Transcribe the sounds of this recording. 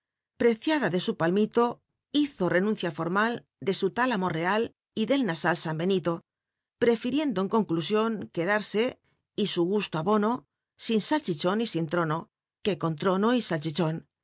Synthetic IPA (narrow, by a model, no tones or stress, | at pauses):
pɾe̞θjaðaðe̞supalmit̪o̞ | iθo̞re̞nũn̟θjafo̞ɾmal | d̪e̞sut̪alamo̞re̞al | iðe̞lnasalsambe̞nit̪o̞ | pɾe̞fiɾje̞nd̪oeŋko̞ŋklusjo̞ŋke̞ðaɾse̞ | isuɣust̪oaβo̞no̞ | sinsalt͡ʃit͡ʃo̞nisint̪ɾo̞no̞ | ke̞ko̞nt̪ɾonoisalt͡ʃit͡ʃo̞n